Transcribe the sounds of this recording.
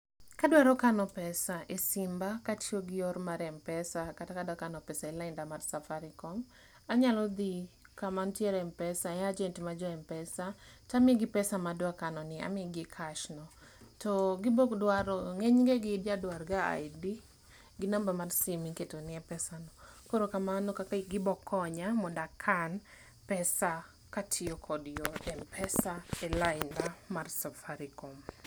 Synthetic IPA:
kadwaɾɔkanɔpɛsaʔesɪmbakat͡ʃoɡɪɔrmaɾɛmpɛsakatakadakanɔpɛsaɛlaɪndamarsafaɾɪkɔm | aɲalɔd̪ikamantjeɾɛmpɛsaɛad͡ʒɛntimad͡ʒɔɛmpɛsat͡ʃamɛɡɪpɛsamadwakanɔnɪa̰mɛɡɪkʰaʃnɔ | tɔɡɪbɔkdwaɾɔŋeɲŋɡeɡɪdjadwarɡaa̰jdi | ɡɪnambamarsimiketonɪɛpɛsanɔkoɾokamanokakaɡɪbɔkʰːɔɲamɔdakʰan | pɛsa | katʰɪokʰɔdjoɛmpʰɛsaɛlaɪndamarsafaɾikɔm

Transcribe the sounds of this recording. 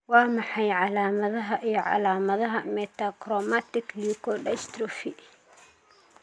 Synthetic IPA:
wɑːmɑħɑjʕɑlaːmɐðɐɦɐʔijɔʕɑ̰laːmɐðɐɦɐmɛt̪ʰakrɔmat̪ɪklikʰɔɖɛst̪ɾɔfi

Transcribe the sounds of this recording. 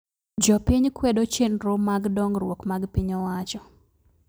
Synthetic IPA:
d͡ʒɔpiɲkwɛdot͡ʃenɾʊmaɡdɔŋrwokmaɡpiɲɔwat͡ʃɔ

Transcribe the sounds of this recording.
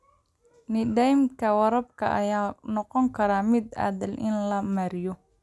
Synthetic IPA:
nɪɖɛjmkʰɐwɐɾɐb̚kʰɐ̰ʔɐjaːnɔqɔŋkʰɐɾaːmɪd̪a̰ːðɐlʔɪnlɐmɐɾɪjɔ

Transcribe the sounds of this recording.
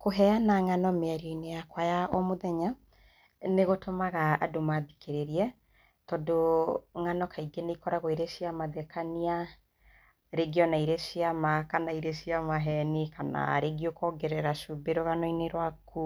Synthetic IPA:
koɦɛanaŋanɔmeaɾioineakwajaʔɔmoðɛɲa | neɣotomaɣa̰ːdomaðikeɾeɾiɛ | tɔdoŋanɔkʰaiɡeneikɔɾaɣoiɾeʃiamaðɛkania | ɾeɡiɔnaiɾeʃiamakanaiɾeʃiamaɦɛnikana̰ɾeɡiokɔɡɛɾɛɾaʃubeɾoɣanɔineɾwaku

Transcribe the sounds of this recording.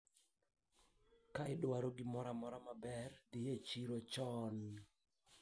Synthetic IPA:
kaɪdwaɾoɡɪmɔɾamɔɾamabɛrd̪ɪjet͡ʃiɾot͡ʃɔn

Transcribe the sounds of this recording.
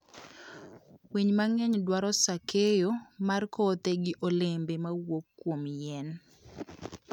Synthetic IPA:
weɲmaŋɛɲdwaɾɔsakʰejomarkot̪eɡɪʔolembemawokːwomjɛn

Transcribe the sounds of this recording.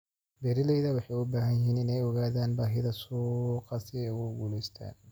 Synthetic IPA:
bɛɾɪlɛjðɐwɑħɑjʊbaːɦɐnjɪɦiːnɪnɛjɔɣaːðaːnbaːɦɪðɐsuːqɑsɪɛjʊɡuːlɛjst̪ʰa̰ːn

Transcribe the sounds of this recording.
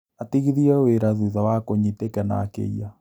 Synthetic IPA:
atiɣiðiɛweɾaðuðawakoɲitekɛna̰kḛia

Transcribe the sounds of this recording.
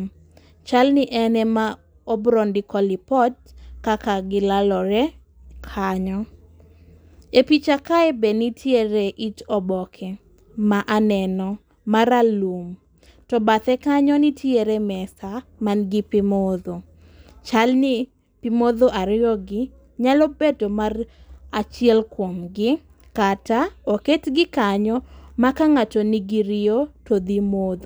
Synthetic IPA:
t͡ʃalnɪʔɛnɛma | ɔbɾɔndɪkɔlɪpɔtkakaɡɪlalɔɾɛ | kʰaɲɔ | epit͡ʃakaɛbɛnitʰjeɾeʔit͡ʃɔbɔkʰɛ | maʔanɛnɔ | maɾalum | tɔbat̪ɛkaɲɔnitʰjeɾemɛsamanɡɪpɪmod̪o | t͡ʃalni | pimoðoʔaɾɪjɔɡɪ | ɲalɔbetomarat͡ʃiɛlkwomɡɪ | kataoketɡɪkaɲɔmakaŋatoniɡiɾɪotod̪imod̪o

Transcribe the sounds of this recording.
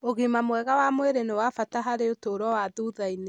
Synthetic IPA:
oɣimamwɛɣawamweɾenewafataɦaɾeotoɾɔwaðuːðaine

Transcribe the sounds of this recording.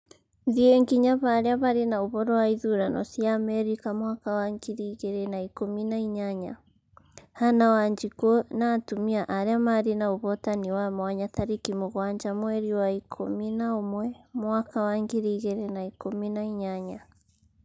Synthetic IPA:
ðieŋɡiɲaβaɾeaβaɾenaoβɔɾɔwaiðuɾanɔ̰siamɛɾikamwakawaŋɡiɾiɣeɾɛnaikominaiɲaɲa | hanawaɲd͡ʒikonatumiaʔaɾeamaɾinaoβɔtaniwamwaɲaθaɾikimuɣwaɲd͡ʒamwɛɾiwaikʰominaomwɛmwakawaŋɡiɾiɣɛɾɛnaikominaiɲaɲa

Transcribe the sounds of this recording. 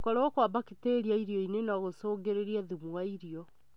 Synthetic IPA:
kɔɾɔkwabaketeɾiaiɾiɔinenaɣosoːɡeɾeɾiaðumuaiɾiɔ

